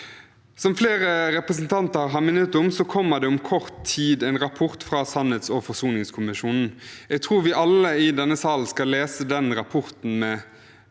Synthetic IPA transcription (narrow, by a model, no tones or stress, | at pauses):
sɔmfleːɾəɾɛpʁəs̬nt̪ʰɑnt̪əɾɦɑmɪnːət̪ʊmsɔkʰɔmːəd̪ɛʊmkʰɔʁt̪ʰːiːd̪ɛnʁɑpʰɔʁt̪fʁɑːsɑnhət̪sɔfɔʁsuːnɪŋskʰʊmɪʃuːnn̩ɛɡt̪ʰʁuːɾʋɪʔɑləɪd̪ɛnːəsɑːlnskɑleːsəd̪ɛnɾɑpʰɔɾt̪n̩mɛː